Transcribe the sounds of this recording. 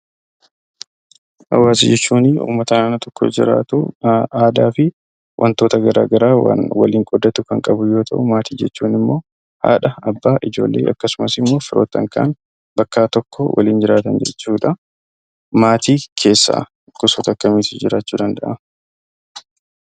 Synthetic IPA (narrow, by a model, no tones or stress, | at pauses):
ʔɐ̰wːaːsɪd͡ʒɛt͡ʃːuːnɪʔṵːmːɐt̪ɐnaːnɐt̪ɔkːod͡ʒɪ̰ɾa̰ːt̪ʊaːd̪aːfɪ | wʔɐ̰nt̪o̞ːt̪ɐɡɐɾa̰ːɡɐɾaːwa̰nwɐ̰liːŋkʼɔd̪ːɐt̪ʊkɐŋkʼɐbʊjo̞ːt̪ʰɐ̰ʔʊmaːt̪iːd͡ʒɛt͡ʃːuːnɪmːo̞ː | ha̰ːᶑɐɐbːaːʔɪd͡ʒo̞̰ːlːe̞̰ːʔɐkːɐsʊmɐsɪmːo̞ːfɪɾo̰ːt̪ːɐŋka̰ːn | bɐkːaːt̪ɔkːɔwʔɐ̰liːnd͡ʒɪɾaːt̪ɐnd͡ʒɛ̰t͡ʃːuːᶑɐ | maːt̪iːkʰe̞ːsːa̰ | kːʊsoːt̪ɐkːɐmiːt̪ɪ̥d͡ʒɪɾaːt͡ʃːuːd̪ɐnd̪ɐʔɐ